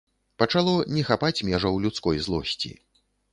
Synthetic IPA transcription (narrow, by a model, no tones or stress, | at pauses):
pɐt͡ʂalˠɔnʲɛxapat͡sʲmʲɛʐɐwlʲut̪skɔjzlˠɔsʲt͡sʲḭ